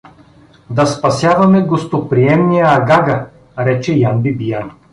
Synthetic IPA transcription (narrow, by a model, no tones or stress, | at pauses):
d̪ɐspɐsʲjavɐmɛɡost̪opɾiɛmnijəːɡaɡɐ | ɾɛt͡ʃɛjanbibijan